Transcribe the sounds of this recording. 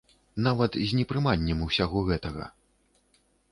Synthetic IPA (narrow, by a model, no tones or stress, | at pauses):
navɐt̪zʲnʲɛpɾɨmanʲːɛmuwsʲaɣɔɣɛt̪ɐɣɐ̰